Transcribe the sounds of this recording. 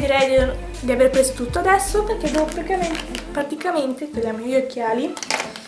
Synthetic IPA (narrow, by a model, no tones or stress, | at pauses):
d̪iɾɛjd̪ | d̪iaverpɾeso̥t̪ut̪ːoad̪ɛsːoperk̟ed̪kpɾat̪ikament̪et̪elamojokːjaːli